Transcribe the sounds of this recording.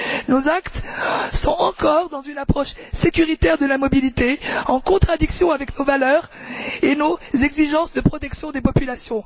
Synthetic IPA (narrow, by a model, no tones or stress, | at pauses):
nozakt̪sɔ̃ɑ̃kɔʁd̪ɑ̃zynapχɔʃsekʲyʁit̪ɛʁd̪əlamɔbilit̪eɑ̃kɔ̃t̪χad̪iksjɔ̃avɛknovalœːʁenozɛɡziʒɑ̃sd̪əpχɔt̪ɛksjɔ̃d̪epɔpylasjɔ̃